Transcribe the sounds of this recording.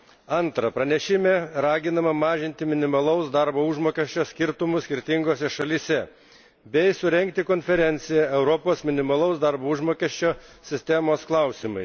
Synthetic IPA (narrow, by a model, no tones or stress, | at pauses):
ɐnt̪ɾɐpɾɐnʲɛʃʲɪmʲeɾɑːɡʲɪnɐmɐmɑːʒʲɪnʲt̪ʲɪmʲɪnʲɪmɐlˠɐʊsd̪ɑɾboːʊʒmoːkʲɛʃʲt͡ʃʲoːsʲkʲɪɾt̪ʊmʊsʲkʲɪɾʲt̪ʲɪŋɡoːsʲɛʃɐlʲiːsʲɛ | bʲɛɪsʊɾʲɛŋʲk̚t̪ʲɪkonʲfʲɛɾʲɛnʲt̪sʲɪjɛɛʊɾɔpoːsmʲɪnʲɪmɐlˠɐʊsd̪ɑɾboːʊʒmoːkʲɛʃʲt͡ʃʲoːsʲɪsʲt̪ʲɛmoːsklˠɑˑʊsʲɪmɐɪ